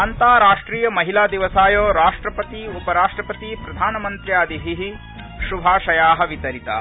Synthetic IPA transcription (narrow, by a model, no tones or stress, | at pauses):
ɐnt̪aːɾaːʂʈɾiːjɐmɐɦilaːd̪iʋɐsaːjoːɾaːʂʈɾɐpɐt̪iupɐɾaːʂʈɾɐpɐt̪ipɾɐd̪ʱaːnɐmɐnt̪ɾjaːd̪ʱiɦiɦi | ʃubʱaːʃɐjaːɦɐ̆ʋit̪ɐɾit̪a̰